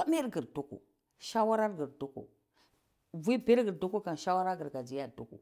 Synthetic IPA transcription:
a˦me˦ɾɡə˨ɾdu˦kṵ˨ | ʃa˦wa˦ɾa˦ɾɡə˨ɾdu˦kṵ˨ | vi˦be˦ɾɡə˨ɾdu˦ku˦ka˨nʃa˦wa˦ɾa˦ɡə˨ɾɡa˨d͡ʒi˦ja˦˨du˦kṵ˨

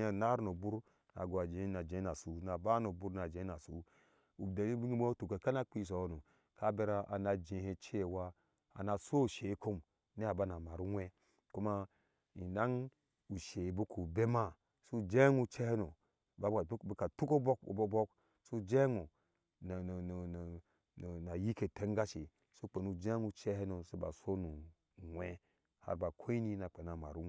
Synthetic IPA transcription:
a˨na˦ɾno˨bu˦ɾ | na̰˨ɡu˨a˨d͡ʒe˨˦na˨d͡ʒẽ˨˦na˨su˨˦na˨ba˦no˨bu˦ɾna˨d͡ʒe˦na˨sṵ˨˦ | u˨da˨li˦bi˦ŋ˦m˦o˦tu˨ke˨ka˦na˦k͡pi˦˨s̬o˨˦no˨ | ka˦be˦ɾa˦ʔa˨na˨d͡ʒe˨he˦t͡ʃe˦˨wa˦ | a̰˨na˨so˦u˨ʃe˨˦ko˦m | ne˦a˨ba˦na˨ma˨ɾu˦wʷe˦ | ku˦ma˦ | i˨da˦ŋ | u˨ʃe˨bu˦ku˨be˦ma˦ | su˦d͡ʒe˦ŋu˦t͡ʃe˦he˦no˨ | ba˦˨˦bi˦ka˨tu˦ko˦bo˦kbo˦bo˦k | so˦˨d͡ʒe˦ŋu˨ | n˨n˨n˨ | n˨na˨ji˦ke˨te˦ŋ˦ɡa˦ʃi˨ | so˦k͡pe˨nu˨d͡ʒe˦nu˦t͡ʃe˦he˦no˨so˦ba̰˨so˦nu˨ | ŋwe˦ | ha̰˦ɾba˨kʰo˦i˦ni˦na˨k͡pe˨na˨ma̰˨ɾu˦

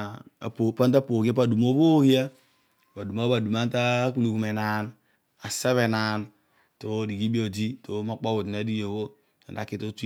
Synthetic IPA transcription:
ppa˦n˦t̬a˦po˨ki˦a˦pa˨du˨mo˦βo˦ki˦a˦˨ | ba˨du˨ma˦ba˨du˨ma˦n˦ta˦k̬u˦lu˨ku˨me˨na˨n | a˨se˦βe˨na˨n | to˦di˨ɡi˦bi˦o˨d͡ʒi˦to˨˦ma˦k͡po˦bo˨ti˨na˦di˦jo˨βo˦ | a̰˨nda̰˨˦ki˦to˦ti˦

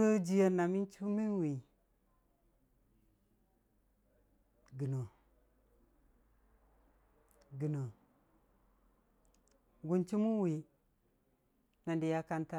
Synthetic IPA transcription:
ə˦d͡ʒi˦ja˦na˨mi˦nt͡ʃu˦mi˦nwi˨ | ɡi˨no˨ | ɡi˨no˨ | ɡu˨nt͡ʃi˦mu˦wi˨ | na˨ndi˨ja˦ka˦nta˦

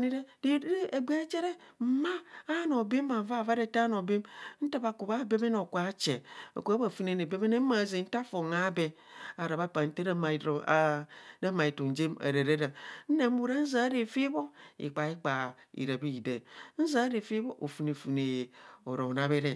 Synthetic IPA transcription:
ni˦ɾe˦di˦e˨ɡ͡be˦e˦t͡ʃe˦ɾe˦m̩˨maː˦no˨be˦m˦ba˨m˦va˦˨va˦ɾe˦˨ta˦no˨be˦mn̩˦ta˦ba˨ku˨βa˦˨be˦be˦no˨kwa˨˦t͡ʃe˨o̰˨ku˨˦a˦ba˨fu˦ne˨ne˨be˦be˦ne˦ma˨ze˨n̩˦ta˦fo˨ŋa˦be˨ | a˨ɾa˨βa˦pa˨n̩˦te˦ɾa˦m˨˦da˦ma˨i˨tu˨n̩˨d͡ʒe˦mḛ˨ɾe˨ɾe˦ɾa˨n̩˦ne˨m̩˦u˦ɾa˦n̩˦za˨˦ɾe˨fi˦bo˦ḭ˨k͡pa˨i˦k͡pa˨ḭ˨ɾa˨bi˦˨de˨˦n̩˦za˨˦ɾe˨fi˦bo˦ʔo˨fu˨ne˨fu˨ne˨o˨ɾo˨na˨βe˦ɾe˦

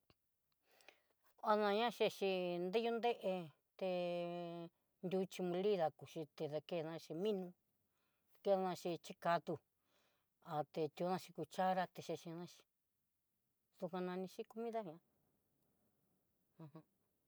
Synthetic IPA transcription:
a˧nã˧ɲã˦ʃe˧ʃi˧nd̪e˦ju˦nd̪e˦ʔe˧ | t̪e˧ | nd̪ʲu˧t͡ʃi˧mũ˧li˦ða˧ku˨ʃi˧t̪e˧ða˧ke˧nã˧ʃi˧mĩ˦nũ˧ | ke˧˦ða˧nã˧ʃi˧t͡ʃi˦ka˧t̪u˧ | a˨t̪e˧t̪ʲu˧˦nã˧ʃi˧ku˧t͡ʃa˦ɾa˧t̪e˧ʃe˧ʃi˧nã˦ʃi̥˧ | ðu˧kʷã˧nã˧nĩ˧ʃi˦ku˧mĩ˦ða˦ɲã˧ | ã˧hã˧

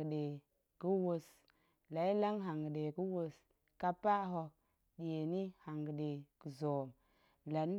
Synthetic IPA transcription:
ɗe˨ | kə˦wo˦s | la˨i˦la˦ŋɦa˨ŋɡə˨ɗe˨ku˦wo˦s | ka˦pa˦ɦo˦ | ɗe˨ni˦ha˨ŋɡə˨ɗe˨kə˨zo˨m | la˨n˦

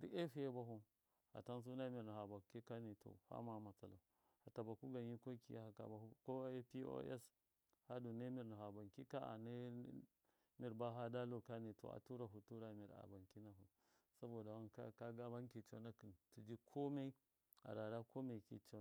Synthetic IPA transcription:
dḭ˦ʔe˦fi˦e˦ba˦ɦu˨ | ha̰˨ta˦ns̬u˦na˦mi˨ɾna˨ha˨ba˨ki˦ka˦ni˨to̰˨ha̰˦ma˨ma˨t͡sa˨la˨ | ha˨ta˨ba˨ku˦ɡa˨nji˦ko˦kḭ˨ja˦˨a˨ka̰˨ba˨u˦ko˦e˦pi˦o̰˦ʔḛ˦s | ha˦du˨ne˦mi˨ɾna˨ɦa˨ba˨ŋki˦ka˦a̰˨ne˦ | mi˨ɾba˦ɦa˦da˦lo˨ka˦ni˨to̰˨a̰˨tu˦ɾa˨ɦu˨tu˦ɾa˨mi˨ɾa̰˨ba˨ŋki˦na˨ɦu˨ | sa˦bo˨da˨wa˦nka˦ka˦ɡa˦ba˦nki˨t͡ʃo̰˦na˦ki˨ntu˨d͡ʒi˦kʰo˦me˦ | a̰˨ɾa˨ɾa˦ko˦me˨kḭ˦t͡ʃo˦˨

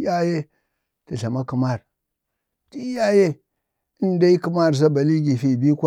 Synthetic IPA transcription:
ja˦je˦ | ta˨ɬa˨ma˦ku˨ma˦˨ɾ | ti˦ja˦je˦ | i˦n˦da˦i˦ku˦ma˦˨ɾz̬a˦ba˨li˦ɡi˨fi˨bi˦kʷa˦

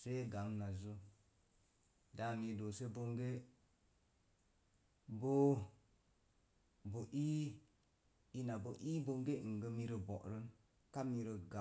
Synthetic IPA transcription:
se˦ɡa˨˦ŋna˨zu˦ | da˦˨mi˧do˨se˦bo˧ŋɡe˦ | bo˦ | bo˨ʔi˦ | i˦na˨bo˨ʔi˦bo˦ŋɡe˦˨ŋ̩˨ɡə˦mi˦ɾə˧bo̰˨ʔɾə˦n | ka˦mi˧ɾə˧ɡa˨

